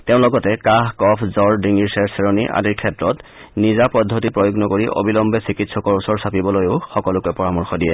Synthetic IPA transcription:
teʊ̃lɔɡɔtɛkaɦkɔpʰzɔɹdiŋiɹsɛɹsɛɹoniʔa̰diɹkʰɛtɹɔt | nizapɔdʱːotipɹojoɡnɔkoɹiʔo̰bilɔmbɛsikitsɔkɔɹusɔɹsapibɔlojʊxɔkɔlʊkɛpɔɹamɔɹxɔdijɛ

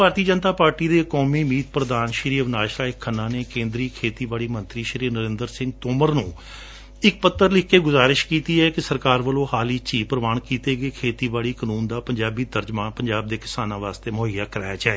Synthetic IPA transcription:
bʱaːɾt̪iːəd͡ʒənt̪aːpaːɾʈiːd̪eːkɔːmiːmiːt̪̚pɾəd̪aːnʃɾiːəʋnaːʃɾaːɪkʰːənːãːneːkẽːnd̪ɾiːkʰeːt̪iːbaːɭiːmə̃nt̪ɾiːʃɾiːnəɾɪ̃ːnd̪əɾsɪ̃ŋɡ̚t̪oːməɾnũː | ɪk̚pət̪ːəɾlɪkʰːeːɡʊzaːɾɪʃkiːt̪iːɛːkɪsəɾkaːɾʋəlõːhaːliːt͡ʃiːpɾəʋaːɳkiːt̪eːɡeːkʰeːt̪iːbaːɭiːkənuːnd̪aːpəɲd͡ʒaːbiːt̪əɾd͡ʒmãːnpəɲd͡ʒaːb̚d̪eːkɪ̥saːnãːʋaːst̪eːmʊːɦɪjaːkəɾaːjaːt͡ʃaːeː

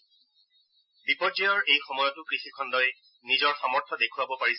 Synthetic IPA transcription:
bipɔdijɔɹejxɔmɔjɔtʊkɹixikʰɔndɔj | nizɔɹxamɔɹtʰɔdekʰʊwabɔpaɹis

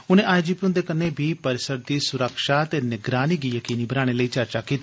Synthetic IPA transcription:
ʊnẽːʔaːjd͡ʒiːpiʊ̃nd̪eːkəneːbʱiːpəɾɪsəɾd̪iːsʊɾəkʃaːət̪eːnɪɡɾaːniːɡiːjəkiːniːbənaːɽ̃eləiːt͡ʃəɾt͡ʃaːkiːt̪i

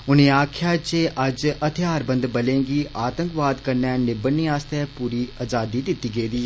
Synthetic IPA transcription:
ʊnẽaːkʰjaːt͡ʃeʔɐd͡ʒɐt̪ʰjaːɾbə̃nd̪bɐlẽːŋɡiːʔaːt̪ə̃ŋkʋaːd̪kɐɾnɛːnɪbənːiaːst̪ɛpuːɾiaːd͡ʒaːd̪id̪ɪt̪iɡeːd̪iː

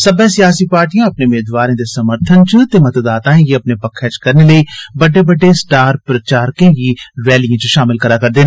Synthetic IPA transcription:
səbɛːsɪjaːsiːpaːɾʈijãːɐpneːʊmeːd̪ʋaːɾẽːd̪eːsəməɾt̪ʰənt͡ʃt̪eːmət̪d̪aːt̪ãːẽjeːəpnebəkʰːɛːt͡ʃkəɾneːləiːbəɖeːbəɖːesʈaːɾpɾət͡ʃaːɾkẽjiːɾɛːlijãːt͡ʃʃaːmɪlkəɾaːkəɾd̪eːnː

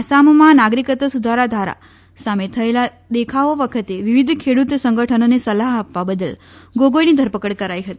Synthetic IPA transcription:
asammãnaɡɾikət̪əsud̪ʱaɾad̪ʱaɾa̰ | samet̪ʰəela | d̪ekʰaʋoʋəkʰət̪eʋiʋid̪ʱkʰeɽut̪səŋɡəʈʰənonesəlaɦapʋabəd̪əlɡoɡojnid̪ʱəɾpəkəɽkəɾajɦət̪i

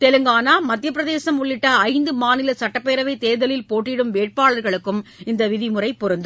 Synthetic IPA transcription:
t̪ɛlɯŋɡaːnaːmɐt̪ːjɐpːɯɾɐðeːsɐmʊɭːɪʈːɐːɪnd̪ɯmaːnɪlɐsɐʈːɐpːeːɾɐʋɐɪt̪eːðɐlɪlpoːʈːɪɽɯmʋeːʈ̚paːɭɐɾɣɐɭɯkːɯmɪnd̪ɐʋɪðɪmɯrɐɪpːʊɾɯnd̪ɐ

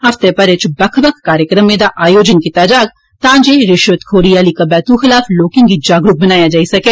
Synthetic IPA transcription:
ɐft̪epəɾɪt͡ʃbəkʰbəkʰːaːɾjəkɾəmẽd̪aːʔaːjoːd͡ʒənkit̪aːd͡ʒaːɡ | t̪ãːd͡ʒeːɾɪʃʋət̪kʰoːɾijaːlikəbɛːt̪uːxɪlaːfloːkɪ̃ŋɡiːd͡ʒaːɡɾʊk̚bənaːjaːd͡ʒaːisɐkeː

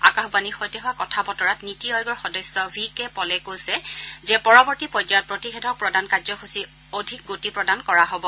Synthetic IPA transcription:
a̰kaxbanixɔjtɛɦʊakɔtʰabɔtɔɹatnitiɔjɡɔɹxɔdɔsɔbʱikɛpɔlɛkojsɛzɛpɔɹɔbɔɹtipɔjd͡ʒɔjɔt̚pɹotixedʱɔk̚pɹɔdankazɔxusi | odʱik̚ɡotipɹɔdankɔɹaɦobɔ

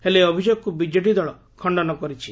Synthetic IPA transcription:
eleɔbʱid͡ʒoɡɔkubid͡ʒeʈid̪ɔɭɔ | kʰɔɳɖɔnɔkɔɾit͡ʃʰi̥

